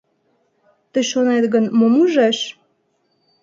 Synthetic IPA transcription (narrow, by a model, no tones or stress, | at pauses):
t̪ə̆ʃonɑt̪ɡə̆nmomuʒɑʃ